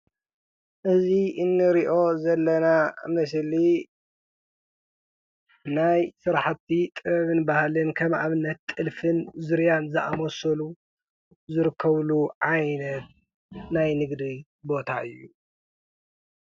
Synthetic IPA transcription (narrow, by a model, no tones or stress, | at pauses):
ʔɨziʔɨnːɨɾiʔo̞zɐlːɐnamɐs̬li | najsɨɾaħat̪ʰːit̪ʼɨβɐβɨnbahalɨnkʰɐmʔaβɨnːɐt̪ʼːɨlfɨnzɨɾjanzɨʔa̰mosɐlu | zɨɾɨkʰːɐβluʕajnɐt̪̚ | najnɨɡd̪i | bo̞t̪ʰaʔɨ̰jːu